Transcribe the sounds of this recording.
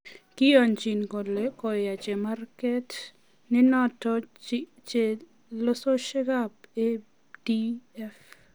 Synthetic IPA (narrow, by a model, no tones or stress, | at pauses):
kɪjɔnt͡ʃinkolekɔjat͡ʃemarkɛt | nɪnɔtɔt͡ʃe | losoʃɛɡabe | diɛf